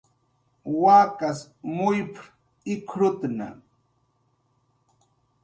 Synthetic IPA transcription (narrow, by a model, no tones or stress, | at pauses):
waːkas | mʊjpɾ | ɪkʰɾʊt̪na̰